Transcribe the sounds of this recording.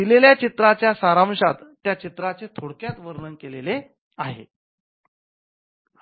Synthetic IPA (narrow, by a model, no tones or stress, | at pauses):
d̪ileljat͡ɕit̪ɾat͡ɕjasaɾãmʂat̪ːjat͡ɕit̪ɾat͡set̪ʰoɽkjat̪ʋəɾɳəŋkelele | aɦḛ